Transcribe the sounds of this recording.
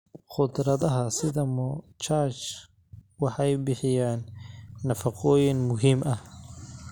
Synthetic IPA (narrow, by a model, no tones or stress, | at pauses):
χʊd̪ɾɐðɐɦɐsɪðɐmɔ | t͡ʃaːt͡ʃ | wɑħɑjbɪħɪjaːnːɐfɑqʰɔːjɪnmʊɦiːmʔɐh